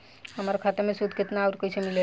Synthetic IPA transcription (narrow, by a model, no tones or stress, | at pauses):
ɦəmaːɾekʰaːt̪emẽsud̪ʱkɪt̪naːɾkosʰemile